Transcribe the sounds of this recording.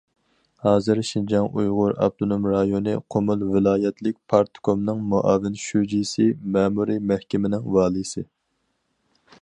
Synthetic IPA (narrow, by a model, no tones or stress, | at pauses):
hɑːzɨɾʃind͡ʒɑŋʔujʁʊɾɑ̰b̚t̪ʰonomɾɑjonɨqʰomulˠvɪlˠɑːjɛt̪ʰlɪk̚ʲpʰɑɾt̪ʰkomnɨŋmuʔɑːvɪnʃud͡ʒisɪmɛːmuɾimɛhkʲɪmɪnɪŋwɑːlˠɨsɨ